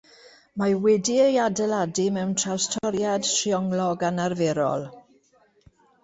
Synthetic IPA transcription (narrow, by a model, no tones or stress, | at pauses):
mawɛdiəjadɛladimɛwntʰrawstʰɔɾjad̥tʰriɔŋlɔɡanarveɾɔ̰lˠ